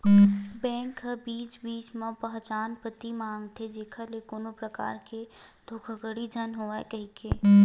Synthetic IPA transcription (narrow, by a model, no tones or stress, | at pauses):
bɛ̃ːŋkəbiːt͡ʃbiːt͡ʃmẽpəɦt͡ʃaːnpət̪imãːŋɡt̪ʰed͡ʒeːkʰalekoːnopɾəka̰ːɾke | d̪ʱoːkʰəɡəɽid͡ʒʱənɦoakəɦikeː